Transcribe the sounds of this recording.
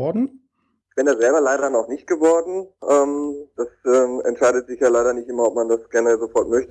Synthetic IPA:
ɔdn̩ | ɪçb̥ɪndazɛlbɐlaɪɾɐnɔχnɪçt̚ɡ̥əvɔɐdn̩ʔɛːmd̥asɛːmɛ̰ntʃaɪdətz̥ɪçjaːlaɪɾɐnɪçtʔɪmɐɔp̚mandasɡ̥ɛnəʁɛlzofɔɐtmœçtə

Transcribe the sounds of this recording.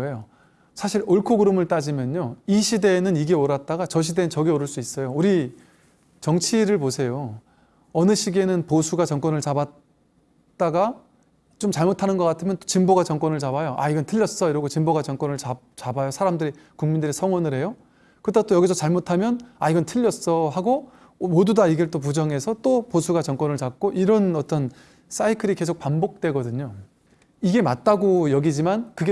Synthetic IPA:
ejo | sʰaɕʰiɾoɭkʰoɡɯɾɯmɯɭt͈ad͡ʑimjʌɲoiɕʰide̞nɯniɡeoɾat̚t͈aɡat͡ɕʌɕ̬ʰide̞nɯnt͡ɕʌɡeoɾɯɭs͈uis͈ʌjouɾi | t͡ɕʌŋt͡ɕʰiɾɯɭposʰe̞jo | ʌnɯɕʰiɡe̞nɯnposʰuɡat͡ɕʌŋk͈wʌnɯɭt͡ɕabat̚ | t͈aɡa | t͡ɕomt͡ɕaɭmotʰanɯnɡʌk͈atʰɯmjʌnt͈o̥t͡ɕimboɡat͡ɕʌŋk͈wʌnɯɭt͡ɕabajoʔa̰iɡʌntʰɯʎːʌs͈ʌiɾʌɡot͡ɕimboɡat͡ɕʌŋk͈wʌnɯɭt͡ɕa | t͡ɕabajosʰaɾamdɯɾi | kuŋmindɯɾesʰʌŋwʌnɯɾɦe̞jo | kɯtet͈ojʌɡisʰʌt͡ɕaɭmotʰamjʌna̰iɡʌntʰɯʎːʌs͈ʌɦaɡo | modudaiɡet͈op̬ud͡ʑʌŋe̞sʰʌt͈oposʰuɡat͡ɕʌŋk͈wʌnɯɭt͡ɕak̚k͈oʔiɾʌnʌt͈ʌn | s͈aikʰɯɾike̞sʰok̚pambok̚t͈we̞ɡʌdɯɲo | iɡe̞mat̚t͈aɡojʌɡid͡ʑimankɯɡe

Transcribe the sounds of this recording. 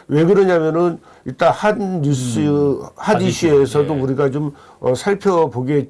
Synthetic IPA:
we̞ɡɯɾʌɲamjʌnɯn | it͈ahanːusɯhadiɕʰiesʰʌdouɾiɡat͡ɕom | ʌsʰaɭpʰjʌpoɡe

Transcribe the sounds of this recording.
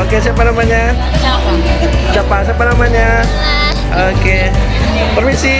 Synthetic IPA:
okes̬iap̬anamaɲa | a | t͡ʃapas̬apanamaɲa | oke | pərmisi

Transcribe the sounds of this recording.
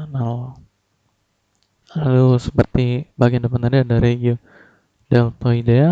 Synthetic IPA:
nao | alusə̥pərt̪ibaɡiandəpant̪adiadaɾeɡiu | damt̪oidea

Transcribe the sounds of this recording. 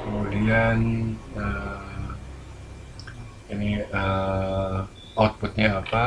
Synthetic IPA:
kəmudianə | iniə | awt̪̚pʊt̪̚ɲaːpa

